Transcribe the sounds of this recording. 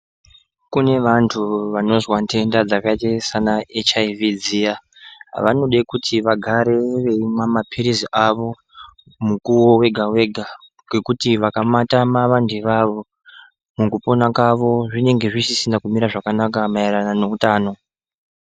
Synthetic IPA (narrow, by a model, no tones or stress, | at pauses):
kune̞ʋantʰuʋano̞zwantʰe̞ndad͡zakaitesanaet͡ʃaivid͡zija | ʋa̰no̞ɗakutʰiʋaɡʱaɾe̞ʋe̞imwamapʰiɾiziʔaʋo̞ | mukuwo̞we̞ɡʱawe̞ɡʱa | ɡe̞kutiʋakamatamaʋandʱeʋaʋo̞ | mukupo̞nakaʋo̞ʐine̞ŋɡe̞ʐisisindakumiɾaʐakanakamaiɾanano̞utaːno̞